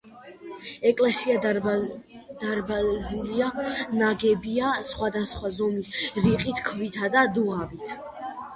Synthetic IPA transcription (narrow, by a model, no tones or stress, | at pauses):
ɛkʼlɛsia | d̪̥aɾbazulianaɡɛbiasχwad̪asχwazɔmisɾiqʼit̪ʰkʰvit̪ʰad̪ad̪uabit̪ʰ